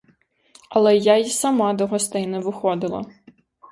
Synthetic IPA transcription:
ɐlˠɛjajisɐmɑd̪ɔɦɔst̪ɛjnɛʋɪxɔd̪ɪlˠɐ̰

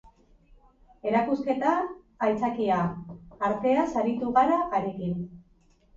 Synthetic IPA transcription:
e̞ɾakuske̞t̪aː | jt͡sakiaːɾt̪e̞asaɾit̪uɣaɾaːɾe̞kin

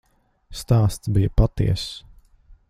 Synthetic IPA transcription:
st̪aːst̪sbijəpat̪ḭɛs

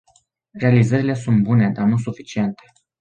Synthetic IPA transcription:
re̞alizəɾile̞sunt̪̚bune̞d̪anus̬ufit͡ʃie̞nt̪e̞

